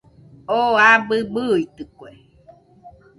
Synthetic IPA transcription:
oabɨbɯit̪ɨkʷe

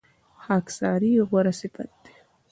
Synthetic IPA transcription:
ħaːkʰsaːɾiːʁʷaɾɐsipʼatʼː

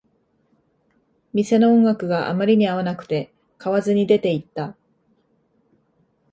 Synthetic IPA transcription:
mʲise̞no̞õŋɡakɯ̟ɡaʔa̰maɾʲiɲ̟iaβanakɯ̟̥t̪e̞ | kaβazɨɲ̟id̪e̞t̪e̞it̪ːa

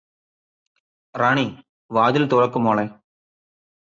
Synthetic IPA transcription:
raːɳi | ʋaːd̪ilt̪urɐkːumoːɭe

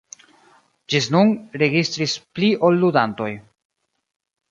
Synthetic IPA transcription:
d͡ʒisnunɾe̞ɡist̪ɾispliʔolːudanto̞j

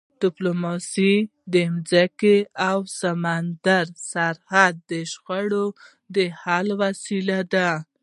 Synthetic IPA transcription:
d̥ɪplomɑsid̪əmzakeawsamand̪aɾsaɾhad̪̚ːəʃxaɽo | d̪əhalwasilad̪a

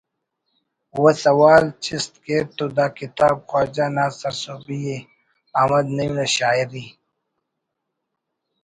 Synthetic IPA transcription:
wɐsɐwaːlt͡ʃist̪keːt̪ːod̪aːkit̪aːbxwaːd͡ʑanaːsɐɾsoːbije | ɐmɐd̪nɐjũnɐɕaːiɾi

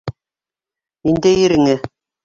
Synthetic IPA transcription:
nind̪æjɘ̆ɾɘ̆ŋɘ

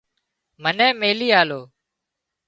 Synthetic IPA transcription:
mənɛ̃ːmeːliːaːloː

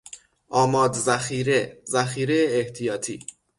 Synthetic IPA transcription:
ʔɒːmɒːd̪zæxiːɾezæxiːɾejeːht̪ʰijɒːt̪ʰḭː

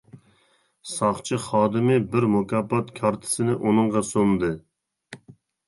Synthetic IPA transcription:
sɑχt͡ʃʰɨχɑːd̪ɪmɪbɪɾmokʲɑpːɑt̪kʲʰɑɾt̪ʰɪ̥sɪnɪʔunɨɴʁɑsomd̪ɨ

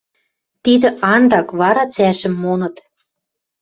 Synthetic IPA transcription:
t̪id̪ə̆ɑnd̪ɑkβɑɾɑt͡sæʃɘ̆mːonɤ̆t̪

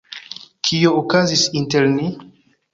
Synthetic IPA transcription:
kʰiookazisinteɾni

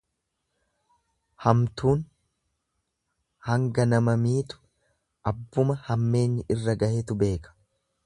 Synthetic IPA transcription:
hɐmt̪uːn | hɐŋɡɐnɐmɐmiːt̪ʊ̥ | ʔɐbːʊmɐhɐmːe̞ːɲːɪʔɪrːɐɡɐhet̪ʊbe̞ːkɐ̥

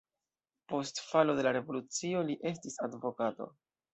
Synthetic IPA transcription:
po̞stfalo̞de̞laɾe̞vo̞lut͡sio̞liʔe̞s̬tisadvo̞kato̞̰

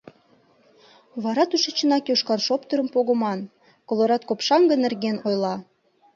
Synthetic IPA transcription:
βɑɾɑt̪uʃə̆t͡ɕə̆nɑkjoʃkɑnʃopt̪əɾə̆mpoɣə̆mɑn | kolˠoɾɑt̪kopʃɑŋɡənĕrɣenojlɑ

